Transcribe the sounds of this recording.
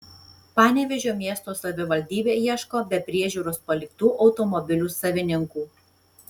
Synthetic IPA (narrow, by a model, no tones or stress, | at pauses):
pɑːnʲɛʋʲɛʒʲoːmʲiɛst̪oːsɐʋʲɪʋɐlʲd̪ʲiːbʲeːjiɛʃkoːbʲɛpʲɾʲiɛʒʲuːɾospɐlʲɪkt̪uːʔɒʊt̪ɔmɔbʲɪlʲuːsɐʋʲɪnʲɪŋkuː